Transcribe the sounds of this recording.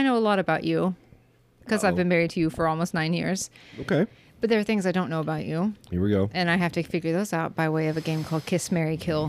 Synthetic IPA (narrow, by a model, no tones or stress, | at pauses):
aɪnoʊəlɔɾɨbaʊt͡ʃʉ | kʰʌzaɪvbɨ̃nmɛɹid̚tʰɨjɨfə˞ɔlˠmoʊstⁿnãɪ̃njɪ̰ɹz̥oʊkʰeɪ | b̥ʌt̪̚ðə˞ːθɪ̃ŋzaɪdõnːoʊəbaʊt͡ʃʉhɪ̰ɹwɡoʊʔɨ̃naɪɦæftɨfɪɡjə˞ðoʊzaʊt̚b̥aɪweɪʌvɨɡẽɪ̃mkʰɔlˠd̚kʰɪsmɛɹikʰɪlˠ